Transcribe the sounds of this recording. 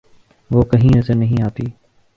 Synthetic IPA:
ʋoːkəɦĩːnəzəɾnəɦĩaːt̪iː

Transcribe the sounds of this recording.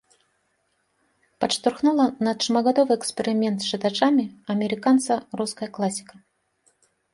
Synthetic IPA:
pɐʂt̪ʊrxnulˠɐnɐt̪ʂmɐɡɐd̪ɔvɨjɛkspʲɪɾʲɪmʲɛnt̪sʂɨt̪at͡ʂamʲɪɐmʲɪɾʲɪkant̪sɐruskəjəklˠasʲɪ̥kə

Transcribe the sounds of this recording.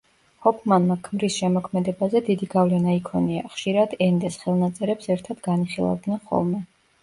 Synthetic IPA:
hɔpʰmanmakʰmɾisʃɛmɔkʰmɛd̪ɛbazɛd̪id̪iɡavlɛnaikʰɔniaχʃiɾad̪̥ɛnd̪ɛsχɛlˠnat̪sʼɛɾɛpsɛɾt̪ʰad̪̥ɡaniχilˠa̰vd̪nɛnχɔ̰lˠmɛ

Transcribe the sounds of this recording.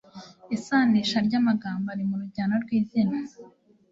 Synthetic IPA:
isaːniʃaɾɟamaɡaːmbaɾimuɾuɟaːnoɾɡwiːzina

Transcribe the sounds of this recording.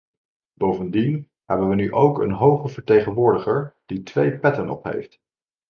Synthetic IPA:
b̥owvəndin | ɦɛbənʋənyʔowkənɦowχəvəɹtejχənʋʊːɹdəχəɹd̥itʋejpɛtənɔ̰pɦḛjft

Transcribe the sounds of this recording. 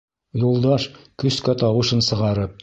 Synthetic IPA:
julˠd̪ɑʃkɵ̆skæt̪ɑwɤ̆ʃɤnsɤ̆ʁɑɾɤp̚

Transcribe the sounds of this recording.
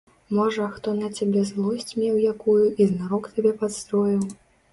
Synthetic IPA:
mɔʐɐxt̪ɔnɐt͡sʲabʲɛzlˠɔsʲt͡sʲmʲɛwjakujuʔiznaɾɔkt̪ʲabʲɛpat̪st̪ɾɔjiw

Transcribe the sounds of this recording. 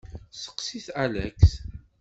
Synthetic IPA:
sə̥qsiθalæ̰kθ

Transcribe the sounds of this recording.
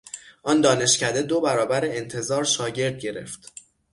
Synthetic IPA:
ʔɒːnd̪ɒːne̞ʃcʰæd̪e̞d̪o̞bæɾɒːbæɾeːnt̪ʰe̞zɒːɾʃɒːɟe̞ɾd̪̚ɟe̞ɾe̞̰ft̪

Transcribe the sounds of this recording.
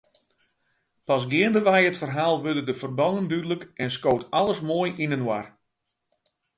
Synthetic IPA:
pɑs̬ɡɪəndəʋɛjətfərɦaːlˠʋødədəfərbɔnəndydələkɛnskoːtɑlˠəsmoːjʔinənwar

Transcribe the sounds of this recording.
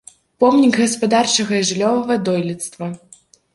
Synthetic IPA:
pɔmnʲiɡɣɐspad̪art͡ʂɐɣɐiʐlʲɔvɐvɐd̪ɔjlʲɛt̪st̪vɐ

